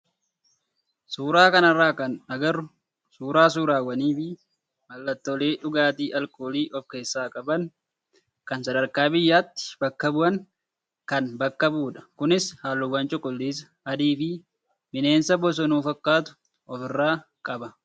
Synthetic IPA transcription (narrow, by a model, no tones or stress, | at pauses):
suːɾaːkɐnɐrːaːkɐnɐɡɐrʊ | suːɾaːs̬uːɾaːwɐniːfɪ | mɐlːɐt̪ːɔleːᶑʊɡaːt̪iːʔɐlkʼoːliːʔɔfke̞ːsːaːkʼɐbɐn | kɐnsɐd̪ɐɾkaːbɪjːaːt̪ːɪ̥bɐkːɐbʊɐŋ | kɐnbɐkːɐbuːᶑɐ̥kʊnɪshaːlːʊwɐnt͡ʃʼʊkʼʊlːiːsɐ̥ | ɐd̪iːfɪ | mɪne̞ːnsɐbɔs̬ɔnuːfɐkːaːt̪ʊ̥ | ɔfɪrːaː | kʼɐbɐ